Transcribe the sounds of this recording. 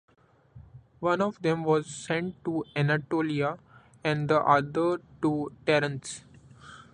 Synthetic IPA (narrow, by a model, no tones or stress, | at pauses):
ʋʌ̃nɔʋd̪ẽmʋɔːzsɛ̃ɳʈ̚ʈuɛnaʈoːlia | ɛ̃ɳɖd̪əʔʌd̪əɾʈuʈɛɾə̃nʈs